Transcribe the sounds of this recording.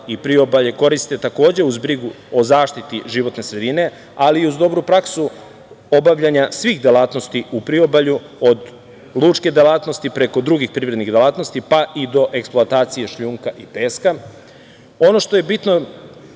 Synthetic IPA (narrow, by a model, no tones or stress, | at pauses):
ipɾio̞baʎe̞ko̞ɾist̪e̞t̪ako̞ːd͡ʑe̞uzbɾiɡu | o̞zaːʃt̪it̪iʒiʋo̞t̪ne̞sɾe̞d̪ine̞ | aliuzd̪o̞bɾupɾaksu | o̞baʋʎaɲasʋiːxd̪elˠaːt̪nost̪iʔupɾio̞baʎu | o̞d̪ | lˠuːt͡ʃke̞d̪elaːt̪nost̪ipɾe̞ko̞d̪ɾuɡixpɾivɾed̪niɣd̪elaːt̪no̞st̪ipaʔid̪o̞ʔe̞ksplˠoat̪aːt̪sijeʃʎuːŋkaʔipeːska | o̞no̞ʃt̪o̞je̞bit̪no̞